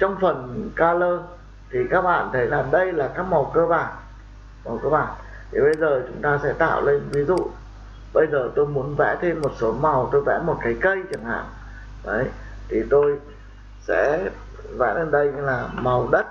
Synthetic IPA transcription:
t͡ɕɔ˧wŋ͡mfə˨˩nkaː˧ləː˧ | t̪ʰi˨˩kaː˦˥k̚ɓa̰ː˧˨nt̪ʰə˨˦jlaː˨˩ɗə˧jlaː˨˩kaː˦˥k̚ma˨˩wkəː˧ɓaː˨˩n | ma˨˩wkəː˧ɓaː˨˩n | t̪ʰi˨˩ɓə˧jzəː˨˩t͡ɕʊ˨˦ŋ͡mt̪aː˧sɛ̰˧˥t̪a̰ː˧˨wle˧nvi˨˦zṵ˧˨ | ɓə˧jzəː˨˩t̪o˧jmu˨˦ənvɛ̰˧˥t̪ʰe˧mːo˨˩t̚so˨˦ma˨˩wt̪o˧jvɛ̰˧˥mo˨˩t̚kaː˨˦jkə˧jt͡ɕɨ˨˩ŋha̰ː˧˨ŋ | ʔə˨˦j | t̪ʰi˨˩t̪o˧j | sɛ̰˧˥ | vɛ̰˧˥tə˨˩nɗə˧jɲ˧laː˨˩mə˨˩wɗə˦˥t̚

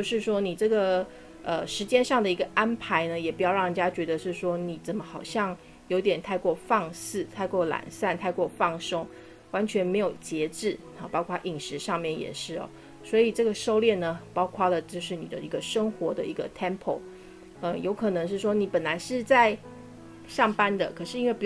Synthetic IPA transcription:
t͡ɕjo˥˧ʊʂɻ̩˥˩ʂwɔ˥ni˨˩ʈ͡ʂɤ˥˩ɡə˩ | ə˧ʂɻ̩˧˥t͡ɕjɛ˥nʂɑ˥˩ŋd̪ə˩i˧˥ɡə˧ʔa˥npʰa˧˦ɪnə˧jɛ˨˩pu˧˥jʊɻɑ˥˩ŋnə˨˩t͡ɕja˥t͡ɕɥɛ˧˥d̪ə˧ʂɻ̩˥˩ʂwɔ˥ni˨˩t͡sə˨˩nmə˦xɑ˨˩ʊɕjɑ˥˩ŋ | jo˧˥ʊt̪jɛ˨˩nt̪ʰa˥˧ɪkwɔ˥˧fɑ˥˧ŋsɹ̩˥˩t̪ʰa˥˧ɪkwɔ˥˩la̰˨˩nsa˥˩˧nt̪ʰa˥˧ɪkwɔ˥˧fɑ˥˩ŋʂɤ˥ŋ | wa˧˥nt͡ɕʰɥɛ˧˥nme˧˥ɪjo˨˩ʊt͡ɕjɛ˧˥ʈ͡ʂɻ̩˥˩ | ɐ˩pɑ˥ʊkʰwa˥ʔi˨˩ŋʂɻ̩˧˥ʂɑ˥˧ŋmjɛ˥˩njɛ̰˨˩ʂɻ̩˥˩ɐ̰˨˩ | swɔ˧˥i˨˩ʈ͡ʂɤ˥˩ɡə˩ʂo˥ʊljɛ˥˩nnə˩pɑ˥ʊkʰwa˥lə˨t͡ɕjo˥˧ʊʂɻ̩˥˩ni˨˩d̪ə̰˦i˧˥ɡə˧ʂɤ˥ŋxwɔ˧˥d̪ə˨i˧˥ɡə˧t̪ʰɛ˥mpʰo˨˩ʊ | ə˧jo˧˥ʊkʰɤ˨˩nɤ˧˥ŋʂ̬ɻ̩˥˩ʂ̬wɔ˥ni˨˥pə˨˩nla˧˥ɪʂɻ̩˥˧t͡sa˥˧ɪ | ʂɑ˥˩ŋpa˥nd̪ə˨kʰɤ˨˩ʂɻ̩˥˩i˥nwe˥˩ɪpu˧˥

